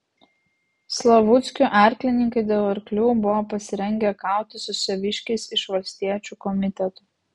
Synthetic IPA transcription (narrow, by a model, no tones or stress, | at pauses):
slˠɐʋʊt̪sʲkʲuˑʔæˑɾʲklʲɪnʲɪŋkɐɪd̪ʲeːlˠɐɾʲklʲuːbʊʋoːpɐsʲɪɾʲɛŋʲɡʲɛkɑˑʊt̪ʲɪsʊsʲɛʋʲɪʃʲkʲɛɪsɪʃʋɐlʲsʲt̪ʲiɛt͡ʃʲukɔmʲɪt̪ʲɛt̪u